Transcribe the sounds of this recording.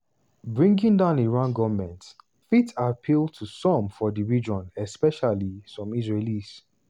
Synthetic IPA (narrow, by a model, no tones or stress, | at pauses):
bɹĩŋɡĩŋdãʊ̃neɹãnɡɔvmɛ̃nt | fitʰapʰiltʰusɔ̃mfɔdiɹid͡ʒɔ̃nɛspɛʃalisɔ̃misɹelis